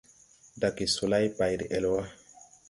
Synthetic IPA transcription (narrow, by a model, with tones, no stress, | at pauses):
da˨ki˨so˨la˦jpa˨jɾi˨ʔe˨lwa˦